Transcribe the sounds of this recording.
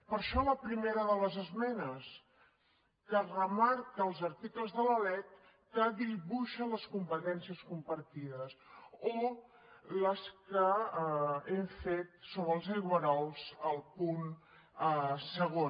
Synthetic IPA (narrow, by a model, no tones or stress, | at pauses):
pəɾʃɔləpɾimeɾəðələzəzmɛnəs | kərəmaɾkəːlˠzəɾt̪ikləzðələlɛt̪̚ː | əðiβuʃənləskumpət̪ɛnsiəskumpəɾt̪iðəso | ləskə | eɱfet̪̚soβɾəlˠziɣwəɾɔlˠzəlˠpun | səɣo